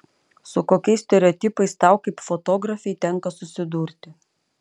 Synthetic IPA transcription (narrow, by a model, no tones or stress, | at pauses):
sʊkoːkʲɛɪssʲt̪ʲɛɾʲɛɔːt̪ʲipɐɪst̪ɑˑʊkɐɪpfot̪oːɡɾɐfʲɛɪt̪ʲɛŋˑkɐsʊsʲɪd̪uːɾʲt̪ʲɪ